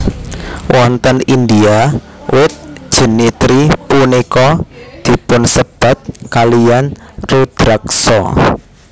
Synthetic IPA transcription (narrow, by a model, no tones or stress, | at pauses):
wʔɔnt̪ənind̪ia | wɪt̪̚d̥ʒ̥ə̤nit̪ɾipunikɔd̪̥i̤pʊnsəb̥a̤t̪̚kalijanrud̪̥ɾaksɔ̰